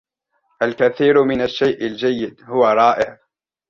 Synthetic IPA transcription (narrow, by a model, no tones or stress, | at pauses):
ʔalkaθiːɾmɪnaʃːajʔald͡ʒajːɪd̪hʊwaɾˤɑːʔɪʕ